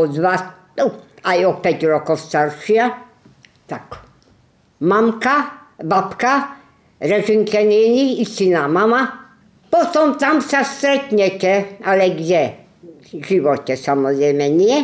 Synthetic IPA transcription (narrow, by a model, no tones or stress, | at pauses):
ɔd̪va | ajɔpɛt̪ɾɔkɔfst̪aɾʃia | t̪ak | mamkabapka | ɾɛʒinkʰɛnɛniisinamama | pɔt̪ɔmt̪amsast̪ɾɛt̪ɲɛkɛalɛɡʒɛ | ʒiʋɔt̪ɛsamɔzɾɛmɛnijɛ